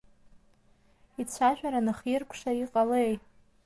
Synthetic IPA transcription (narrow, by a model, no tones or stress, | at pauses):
it͡sʷʰaʒᶣʷaɾanɨχjirkʷʰʂaiqʼalej